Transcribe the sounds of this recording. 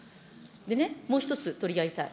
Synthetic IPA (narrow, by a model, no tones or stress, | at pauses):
d̪e̞nemo̞ːçit̪o̞t͡sɨt̪o̞ɾʲiaɡʲit̪aḭ